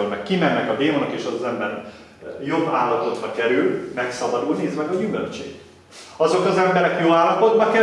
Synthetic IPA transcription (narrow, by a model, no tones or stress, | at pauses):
lmɛkkimɛnːɛkɒd̪eːmonɒkeːʃɒzɒzɛmbɛn | jo̞bːa̰ːlːɒpo̞d̪bɒkɛɾylmɛksɒbɒd̪ulniːzmɛɡɒɟymø̰lt͡ʃḛːk | ɒzo̞kɒzɛmbɛɾɛkjoːaːlːɒpo̞d̪bɒkɛ